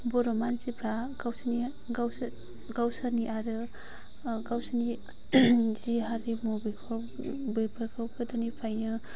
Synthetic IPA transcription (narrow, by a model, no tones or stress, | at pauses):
bɔɾɔmansipʰɾaɡawsni | ɡaw | ɡawsaniʔaɾɯ | ɡawsani | ziɦaɾimɔbɯjkʰɔ | bɯjpʰɯkʰawkʰɯdanipʰajnɯ